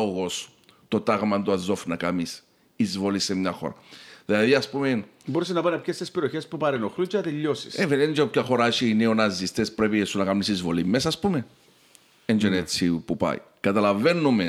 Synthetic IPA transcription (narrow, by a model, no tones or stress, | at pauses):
oɣo̞s | t̪o̞t̪aɣmɐnd̪oɐzo̞fnɐkamis | izvo̞lisemɲɐxo̞̰ɾɐ̰ðilɐðiɐspumen | boɾes̬inɐpanɐpçest̪espeɾioçe̞spupɐɾenoxlut͡ʃenɐt̪eʎːosi̥̰sevinend͡ʒeopcɐxo̞ɾat͡ʃineonɐzːist̪espɾepiesunɐkamisizvo̞limesɐːspume | end͡ʒenet͡sːipupɐ̰j̰ | kɐt̪ɐlave̞nːume